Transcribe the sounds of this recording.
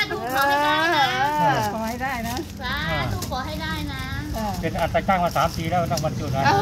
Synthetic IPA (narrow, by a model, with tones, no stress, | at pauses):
ʔəː˨˩˧ | kʰɔː˨˩˦ha˥˩jdaː˥˩jna˦˥˧ | ʔaː˩t̪u˥˩kʰɔː˨˩˦ɦa˥˩jdaː˥˩jna˦˥aː˧˩pe˧nʔaː˨˩t̪ːaː˧˩kʰaː˥˩ŋmaː˧saː˩˦mt̪iː˧lɛː˦˥˩t̪a˥˩wa˧nt͡ɕu˨˩t̪̚a˧˦